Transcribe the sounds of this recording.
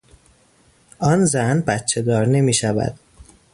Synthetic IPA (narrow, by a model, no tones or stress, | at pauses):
ʔɒnzænbæt̪t͡ʃʰe̞d̪ɒːɾne̞miːʃævæ̰d̪̥